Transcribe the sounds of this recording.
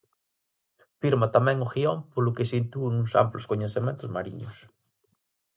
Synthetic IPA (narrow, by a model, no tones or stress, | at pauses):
fiɾmat̪amɛ̃ŋʊɣiompolʊkɪsint̪unũsa̰mplʊskoɲeθemẽnt̪ʊzmaɾḭɲʊs